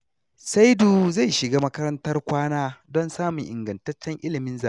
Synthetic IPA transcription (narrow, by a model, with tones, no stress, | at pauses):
sa˦jduː˨za˦˨jʃɪ˨ɡaː˦mɐ˦kɐ˦ɾɐ˦ntɐ˦rkʷaː˦naː˦dɔ˦nsaː˦mʊ˨ŋʔɪ̰˨ŋɡɐ˨ntɐ˦t͡ʃːɛ˦ŋʔɪ˦lɪ˨mɪ˦nzaː˨˦